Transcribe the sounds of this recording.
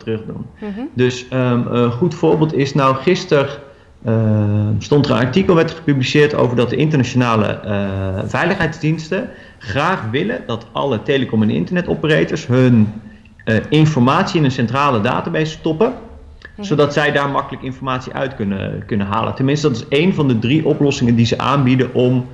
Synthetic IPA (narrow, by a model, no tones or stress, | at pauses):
trɵχdṵndɵsəχutfʊːɹbɪːlˠtɪsnɔwχɪstər | stɔntərə̰nɑ̰ɹtikəlˠʋɛɹtχə̥pyblisɪːɹto̰wvəɹdɑt̚dəʔɪntəɹnat͡ʃonaːlə̰ | vɛjləχɦɛjdzdinstə | χraːχʋɪlədɑtʔɑ̰lətejləkɔmɛnɪ̰ntəɹnɛtɔpərejtəɹsɦɵn | ɪnfɔɹmaːtsiɪnənsɛntraːləda̰ːtaːbejstɔpə | z̥owdɑtsɛjdaːɹmɑkələkɪnfɔɹmaːtsiʔœ̰ɥtkɵnə̰kɵnənɦa̰ːlə̰ntɛnmɪnstədɑtɪ̥sejnvɑndədriʔɔplɔsɪŋəndizəʔa̰ːnbidənʔɔm